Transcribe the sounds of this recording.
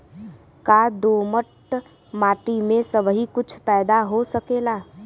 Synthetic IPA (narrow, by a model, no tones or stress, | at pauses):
kad̪oːməʈ | maːʈimẽsəbɦikʊt͡ʃʰpɛːd̪aɦosəkeːlaː